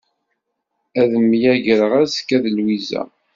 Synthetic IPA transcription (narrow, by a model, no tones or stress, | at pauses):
æðəmjæʝəɾəʁæzkːæðəlwizæ̰